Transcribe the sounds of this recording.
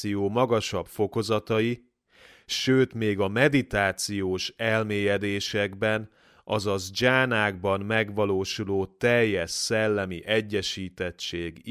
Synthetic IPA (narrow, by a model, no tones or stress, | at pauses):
ijoːmɒɡɒʃɒbfo̞ko̞zɒt̪ɒji | ʃøːt̪meːɡɒmɛd̪it̪aːt̪sijoːʃɛlmeːjɛd̪eːʃɛɡbɛn | ɒzɒzd͡ʒaːnaːɡ̚bɒmmɛɡʋɒloːʃuloːt̪ɛjːɛʃsɛlːɛmiʔɛɟːɛʃiːt̪ɛtt͡ʃeːɡ